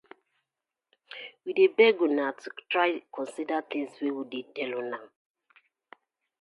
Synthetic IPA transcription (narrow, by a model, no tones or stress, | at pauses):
widebɛɡunatutɹaɪkʰɔ̃nsidat̪ĩŋswewidedɛluna